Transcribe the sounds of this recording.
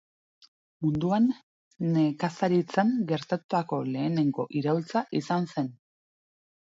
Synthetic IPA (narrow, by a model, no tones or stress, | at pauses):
mund̪uanː | e̞kasaɾit͡saŋɡe̞ɾt̪at̪ut̪ako̞le̞ːne̞ŋɡo̞̰ʔiɾawlt͡saʔisanse̞n